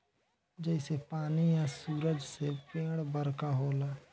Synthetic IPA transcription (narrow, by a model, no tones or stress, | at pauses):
d͡ʒɛːsepaːnijasuːɾəd͡ʒsepẽːɽbəɾkaɦoːlaː